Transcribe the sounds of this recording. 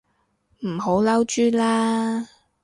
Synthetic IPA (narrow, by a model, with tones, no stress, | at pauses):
m̩˨˩ɦo˨˥wlɐ˥wt͡ʃyː˥laː˥